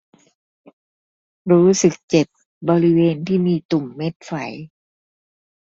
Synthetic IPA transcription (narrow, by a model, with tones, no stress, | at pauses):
ɾuː˦˥sɯ˨˩k̚t͡ɕe˨˩p̚ | bɔː˧ɾi˦˥weː˧nt̪ʰiː˥˩miː˧t̪u˨˩mːe˦˥t̪̚fa˩˦j